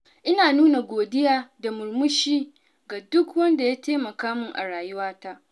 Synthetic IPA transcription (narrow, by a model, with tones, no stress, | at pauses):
ʔɪ˦naː˨nuː˦na˨ɡʷoː˨dɪ˦jaː˦da˨mʊ˨ɾmʊ˦ʃiː˦ | ɡa˨dʊ˦kwɐ˦nda˨jaː˦teː˦mɐ˨kaː˦mʊ˦ŋʔa̰˨ɽaː˨jʊ˦waː˦ta˦ʔ